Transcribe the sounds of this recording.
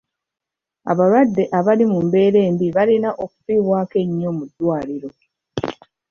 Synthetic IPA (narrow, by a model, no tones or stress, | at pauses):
a̰βalwadːe̞ʔaβalimumbe̞ːɾe̞ːmbiβalinaʔo̞ku̥fiːβwaːke̞ɲːo̞mudːwaːliɾo̞